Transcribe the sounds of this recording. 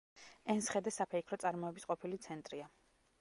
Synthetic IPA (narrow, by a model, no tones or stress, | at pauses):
ɛnsχɛd̪ɛsapʰɛikʰɾɔt̪sʼaɾmɔɛbisqʼɔpʰilit̪sʰɛnt̪ʼɾia